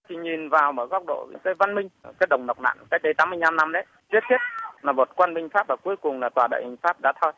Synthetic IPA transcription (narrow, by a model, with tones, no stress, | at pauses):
t̪ʰi˨˩ɲi˨˩nvaː˨˩wməː˧˩ɣɔ˦˥wk͡p̚ɗo̰˧˨ḭ˧˥kaː˨˦jva˧nmï˧ŋ̟kaː˦j̚ɗə˨˩wŋ͡mna˨˩wk͡p̚ɗa̰ː˧˨nʔka˦˥k̚ɗə˨˦t̪aː˨˦mɨ˧əjna˧mna˧mɗə˨˦j | zi˦˥ət̚t̪ʰi˦˥ət̚laː˨˩mo˨˩t̚kwa˧nɓï˧ŋ̟faː˦˥p̚vaː˨˩ku˨˦jkʊ˨˩ŋ͡mlaː˨˩t̪waː˨˩ɗa̰ː˧˨ʔhi˨˩ŋ̟faː˦˥p̚ɗa̰ː˧˥t̪ʰɔ˧j